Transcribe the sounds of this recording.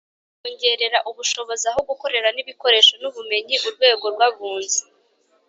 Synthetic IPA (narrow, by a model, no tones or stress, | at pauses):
kuɲɟe̞ɾe̞ɾaʔuβuʃo̞βo̞zaɦoɡuko̞ɾe̞ɾaniβiko̞ɾe̞ːʃo̞nuβume̞ɲiʔuɾɡwe̞ːɡo̞ɾɡwaβuːnzi